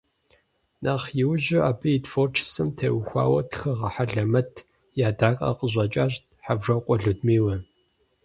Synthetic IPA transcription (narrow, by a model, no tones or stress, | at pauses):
naːχjɪwʑɪaːbɨitfoːrʈ͡ʂʰsɨmtʰḛːwxʷa̰ːwɐ̰txɐʁɐħaɮɐmɐtʰ | jaːdaːkʼɐ̰qʼəʑʷʼɐt͡ʃʼaːɕt̚ | ħabʒɐqʷʼɔɮɨdmiːwɐ